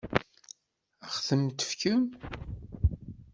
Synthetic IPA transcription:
æχθəmt̪ə̥fkəm

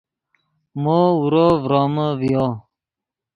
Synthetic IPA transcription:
mouɾovɾoːməvijoː

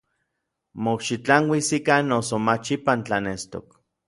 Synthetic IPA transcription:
mokʃit͡ɬaŋwisikanːosomat͡ʃipant͡ɬanest̪o̰k

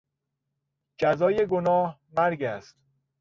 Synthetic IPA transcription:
d͡ʒæzɒːjeɡonɒːhmæɾɡæst̪

